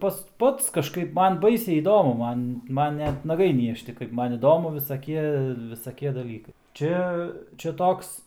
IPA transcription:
ˈpɐs ˈpɐts kɐʃˈkɐɪp ˈmɐn ˈbɐɪsʲɛɪ iːˈdoːmʊ ˈmɐn ˈmɐn ˈnʲɛt nɐˈɡɐɪ ˈnʲiɛʃʲtʲɪ kɐɪp ˈmɐn ɪˈdoːmʊ ʋʲɪsɐˈkʲiɛ ʋʲɪsɐˈkʲiɛ dɐˈlʲiːkɐɪ ˈt͡ʃʲɛ t͡ʃʲɛ ˈtoːks

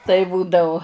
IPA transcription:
tɐɪ ˈbuːdɐʊ

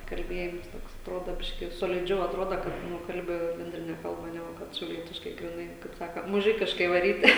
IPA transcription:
kɐlʲˈbʲeːjɪms ˈtoːks ɐtˈroːdoː ˈbʲɪʃʲkʲɪ jɛʊ soːlʲɪˈd͡ʒʲɛʊ ɐtˈroːdɐ kɐt ˈnʊ ˈkɐlʲbʲɪ bʲɛnʲˈdʲrʲɪnʲɛ ˈkɐlˠbɐ ˈnʲæːɡʊ ˈkɐt ʃʲɛʊˈlʲiɛtʲɪʃkɐɪ ɡrʲɪˈnɐɪ kɐɪp ˈsɑːkɐ mʊˈʒʲɪkʲɪʃkɐɪ ʋɐˈrʲiːtʲɪ

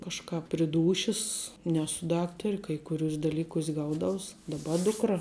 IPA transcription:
kɐʃˈkɐp pʲrʲɪ ˈduːʃʲɪs ˈnʲæːsʊ ˈdɑːktɐrʲɪ kɐɪ kʊˈrʲuːsʲ dɐˈlʲiːkuːsʲ ˈɡɐʊdɐʊs dɐˈbɐ ˈdʊkrɐ

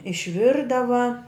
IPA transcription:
ɪʃʲˈʋʲɪrdɐʋɐ

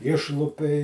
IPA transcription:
ˈɪʃlˠʊpʲɛɪ

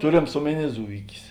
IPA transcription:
ˈtʊrʲeːms ˈoːmʲɛˌnʲiː ˈzʊɪkʲɪs

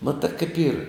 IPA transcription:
ˈmɑːtɘ kɐɪp iːr

